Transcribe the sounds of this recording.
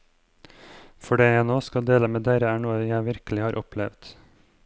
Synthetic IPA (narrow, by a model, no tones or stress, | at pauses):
fɔɖeːnoːskɑd̪eːləmeːd̪eːɾəæːɳuːəjæɪʋɪɾkəl̩ɪhɑːɾʔɔpʰlɛʋd̪̥